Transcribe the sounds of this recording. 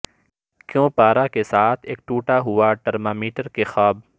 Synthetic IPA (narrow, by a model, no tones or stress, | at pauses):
kjõːpaːɾakesaːt̪ʰeːk̚ʈuːʈaɦʊaʈəɾmaːmiːʈəɾkexaːb